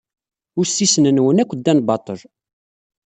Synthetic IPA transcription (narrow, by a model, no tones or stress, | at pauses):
ʊɾsːisnənwənækʷːəd̪ːænbɑt̪ˤəl